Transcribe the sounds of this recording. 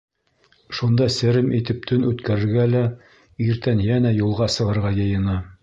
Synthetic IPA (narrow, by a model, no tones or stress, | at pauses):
ʃund̪ɑsɘ̆ɾɘmʔit̪ɘp̚t̪ʰɵnʉt̪kæɾɘ̆ɾɡælæ | iɾt̪ænjænæjulˠʁɑsɤ̆ʁɤ̆ɾʁɑjɤ̆jɤ̆nɑ